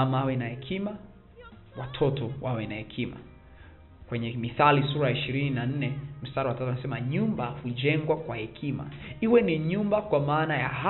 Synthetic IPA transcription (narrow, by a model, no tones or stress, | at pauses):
amaawɛnahɛkʰima | watʰɔtɔwawɛnahɛkʰima̰ | kwɛɲɛmiθalisuɾajaiʃiɾininan̩nɛm̩staɾawatatuanasɛmaɲumbahuʄɛŋɡwakwahɛkʰima̰ | iwɛniɲumbakwamaːnajaɦa